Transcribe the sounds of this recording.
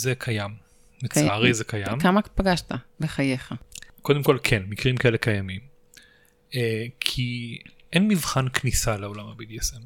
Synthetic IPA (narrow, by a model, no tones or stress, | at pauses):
zekʰajam | met͡saaʁizekʰajamkamapaɡaʃtabeχajeχako̞d̪emko̞lkʰenmikʁimkaelekajamim | ekʰiʔenmivχanknisalao̞lamabid̪iesem